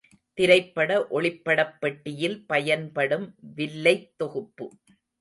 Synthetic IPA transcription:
t̪ɪɾɐɪpːɐɽɐʔɔɭɪpːɐɽɐpːɐʈːɪjɪlpɐjɐnpɐɽɯmʋɪlːɐɪt̪ːɔɣɯpːɯ

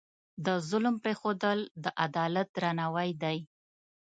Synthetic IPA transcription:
d̪əzʊlmpɾexod̪əld̪əʔad̪ɑlat̪̚d̪ɾanawajd̪aj

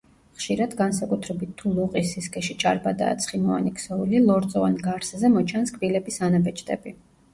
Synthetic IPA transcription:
χʃiɾad̪ɡansakʼut̪ʰɾɛbit̪ʰːulˠɔqʼisiskʰʼɛʃit͡ʃʼaɾbad̪a̰ːt̪sʰχimɔa̰nikʰʼsɛulilˠɔɾt̪sʼɔvanɡaɾszɛmɔt͡ʃʰanskʼvilɛbisanabɛt͡ʃʼt̪ʼɛ̰bi

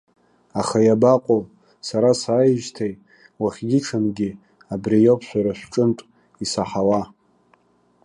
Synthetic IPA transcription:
aχajabaqʷʼo | saɾasaːjʒtʰaj | waχʲɡʲɪʈ͡ʂʰanɡʲi | abrijopʰʃʷaɾaʃʷʈ͡ʂʼɨntʼ | isaħawa

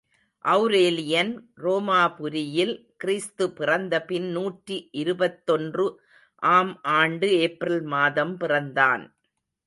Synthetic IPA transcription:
ʔɐʊɾeːlɪjɐnroːmaːpʊɾɪjɪl | kɪɾist̪ɯpɪrɐnd̪ɐpɪnnuːʈriʔɪɾɯbɐt̪ːɔndrɯ | ʔaːmʔaːɳɖɯeːpɾɪlmaːðɐmpɪrɐnd̪a̰ːn

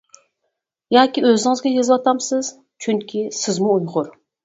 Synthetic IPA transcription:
jɑːkʲiøzɪŋɨzɡʲɛjezwɑt̪ʰɑmsɪz̥ | t͡ʃʰyŋkʲʰisɪzmuːjʁʊɾ

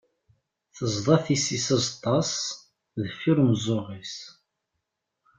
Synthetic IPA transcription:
θəzˤðˤɑθisisɑzˤɑt̪ˤːɑs | ðfiɾmzˤoʁis

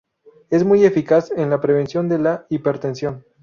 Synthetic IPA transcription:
e̞zmuje̞fikasenlapɾe̞β̞e̞nsjo̞nd̪e̞laipe̞ɾt̪e̞nsjo̞n

